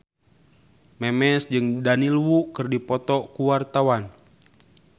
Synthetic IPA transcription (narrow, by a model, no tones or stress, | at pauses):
mɛmɛsd͡ʒɨŋdanilwukɨrdipɔt̪ɔkuwart̪awan